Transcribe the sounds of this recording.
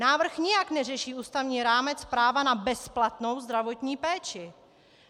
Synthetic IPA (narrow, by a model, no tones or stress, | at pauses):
naːvr̩xɲɪjaknɛrɛʃiːʔuːst̪avɲiːɾaːmɛt͡spɾaːvanabɛsplat̪no̞wzd̪ɾavo̞t̪ɲiːpɛːt͡ʃɪ